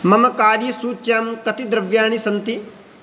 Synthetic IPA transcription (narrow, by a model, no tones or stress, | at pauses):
mɐmɐkaːɾjɐsuːt͡ʃaːmkɐt̪id̪ɾɐʋjaːɳ̃isɐnt̪i